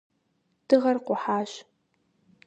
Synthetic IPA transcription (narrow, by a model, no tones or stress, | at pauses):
d̥ɨʁɐrqʷʊħaːɕ